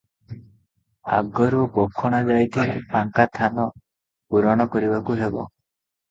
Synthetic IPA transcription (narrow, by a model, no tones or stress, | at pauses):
a̰ɡɔɾukɔkʰːɔɽ̃ad͡ʒajt̪ʰipaŋkat̪ʰanɔ | puɾɔɽ̃ɔkɔɾibakuɦebɔ̰